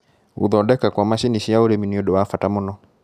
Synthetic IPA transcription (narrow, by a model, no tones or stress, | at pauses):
ṵðɔdɛkakwamaʃiniʃiaoɾeminiodɔwafatamɔnɔ